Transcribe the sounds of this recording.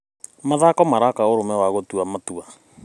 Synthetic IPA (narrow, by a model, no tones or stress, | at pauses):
maðakɔmaɾakaoɾomɛwaɣotuamatua